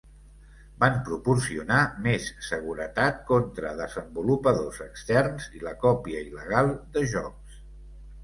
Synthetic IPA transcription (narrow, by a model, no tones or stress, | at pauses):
bampɾupursiunamesːəɣ̞uɾət̪at̪̚kont̪ɾəðəzəmbulupəðozəkst̪ɛrnziləkɔpiəiləɣ̞alˠd̪əʒɔks